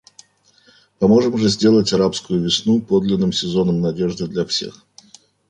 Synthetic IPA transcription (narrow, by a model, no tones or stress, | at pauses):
pɐmo̞ʐɨmʐɨzʲdʲe̞lˠətʲɐɾapskʊjʊvʲɪsnupo̞d̪lʲɪnːɨmsʲɪzo̞nəmnɐdʲe̞ʐd̪ɨd̪lʲɐfsʲe̞̰x